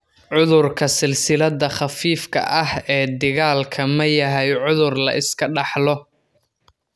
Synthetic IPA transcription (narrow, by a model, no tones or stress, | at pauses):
ʕʊðʊrkʰɐsɪlsɪlɐðɐχɑfiːfkʰɐ̰ʔɐhɛːd̪ɪɣaːlkʰɐmɐjɐɦɛjʕʊðʊrlɐ̰ʔɪskʰɐɖɑħlɔ